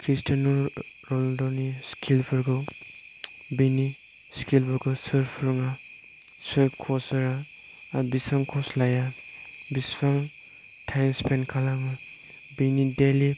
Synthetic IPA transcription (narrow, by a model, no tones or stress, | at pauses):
kʰɾistanɔɾɔldɔniskʰilpʰɯɾɡɯ | bini | skilpʰɯɾɡɔsɯɾpʰɾɔŋa | sɯɾpkʰɔsɯɾa | bisaŋkʰɔslajabispaŋ | tʰajnspʰenkʰalama | binideli